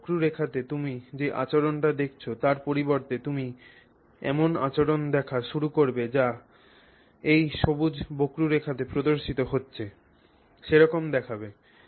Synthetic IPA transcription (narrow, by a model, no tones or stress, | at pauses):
kɾuɾekʰat̪et̪umid͡ʑeʔa̰t͡ɕoɾonʈad̪ekʰt͡ɕʰot̪aɾpoɾiboɾt̪et̪umi | ɛ̰mona̰t͡ɕoɾond̪ɛkʰaʃuɾukoɾbed͡ʑa | ejʃobud͡ʑbokɾuɾekʰat̪epɾod̪oɾʃit̪oɦotːɕʰe | ʃeɾɔkomd̪ɛkʰabe